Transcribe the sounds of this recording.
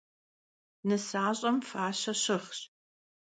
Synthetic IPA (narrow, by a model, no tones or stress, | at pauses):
nɨsaːɕʼɐmfaːɕɐɕɪχɕ